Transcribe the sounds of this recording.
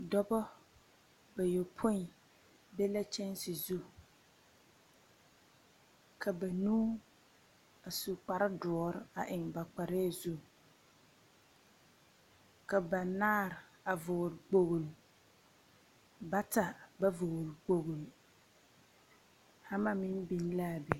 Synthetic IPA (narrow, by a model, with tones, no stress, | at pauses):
dɔ˦bɔ˦ | ba˨jo˨pʰo˦n˨ | bɛ˦la˦t͡ʃɛ˦nsɪ˨zu˦ | kʰa˨ba˨nũː˦ | a˨su˨k͡pa˨ɾɪ˦dʊ˨ɔ˨ɾɪ˦a˨ʔɪ˨ŋba˨k͡pa˨ɾe˦˨zu˦ | ka˨ba˨naː˦˨ɾ | a˨vʊ˨ɣɾɡ͡bo˨ɣl | ba˦ta˨ba˦vo˨ɣɾɡ͡bo˨ɣl | ha˦ma˦mɪ˦nbi˨n˦la˦˨bɛ˨